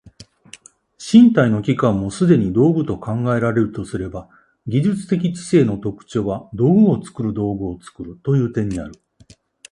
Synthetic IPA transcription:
ɕĩnt̪aino̞kʲikãmːo̞sɨd̪e̞ɲ̟id̪o̞ːbɯ̟t̪o̞kãŋɡae̞ɾaɾe̞ɾɯ̟t̪o̞sɨɾe̞ba | ɡʲiʑɨt͡sɨ̥t̪e̞k̬ʲit͡ɕi̥se̞ːno̞t̪o̞kɯ̥t͡ɕo̞ːβad̪o̞ːbɯ̟o̞t͡sɨ̥kɯ̟ɾɯ̟d̪o̞ːɡɯ̟o̞t͡sɨ̥kɯɾɯ̟t̪o̞jɯ̟ːt̪ẽ̞ɲ̟ːia̰ɾɯ̟

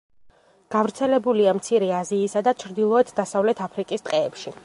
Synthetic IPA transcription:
ɡ̥avɾt̪sʰɛlɛbuliamt̪sʰiɾɛaziːsad̪at͡ʃʰɾd̪ilˠɔɛt̪ʰd̪asavlɛt̪ʰapʰɾikʼist̪ʼqʼɛːpʃi

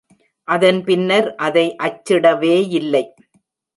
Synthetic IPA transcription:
ʔɐðɐnpɪnːɐɾʔɐðɐɪʔɐt͡ʃːɪɽɐʋeːɪlːɐɪ

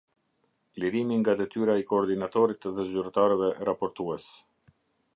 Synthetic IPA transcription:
liɾimiŋɡad̪ɛt̪yɾaɛkɔːɾd̪inat̪ɔɾit̪ðɛzyɾt̪aɾɛvɛʔɾapɔɾt̪uɛs

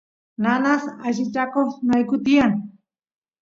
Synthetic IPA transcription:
nanaχaʃɪt͡ʃakoχnajkʊt̪ɪjaŋ

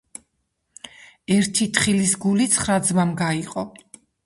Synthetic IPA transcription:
ɛɾt̪ʰit̪ʰχilisɡulit̪sʰχɾad̪zmamɡaiqʼɔ

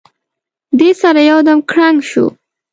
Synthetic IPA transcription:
d̪esaɾajawd̪amkɽaŋɡʃṵ

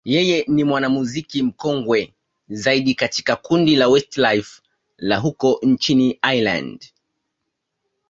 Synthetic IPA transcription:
jɛjɛnimwanamuzikim̩kɔŋɡwɛ | zaiɗikati̥kakundilawɛstlajf | laɦukɔnt͡ʃiniajla̰nd

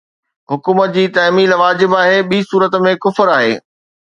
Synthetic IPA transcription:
ɦʊkuːmət̪̚d͡ʑiːt̪ɐɦmiːlʋaːd͡ʑɪbaːɦeɓiːsuːɾət̪mẽkʊfɾaːɦḛː

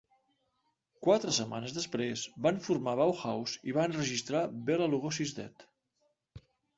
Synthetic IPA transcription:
kwat̪ɾəsəma̰nəzðəspɾezbanɱfuɾmaβawxawziβanrəʒist̪ɾabeləluɣosizd̪ɛ̰t̪

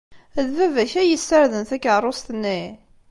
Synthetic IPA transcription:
ðvævæçæjəsːəɾðənθækːəˤost̪nːi

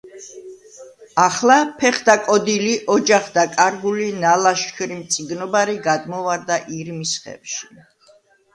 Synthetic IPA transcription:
aχlˠapʰɛχd̪akʼɔd̪iliʔɔd͡ʒaχd̪akʼaɾɡulinalaʃkʰɾimt̪sʼiɡnɔbaɾiɡad̪mɔvaɾd̪aʔiɾmisχɛ̰vʃi̥

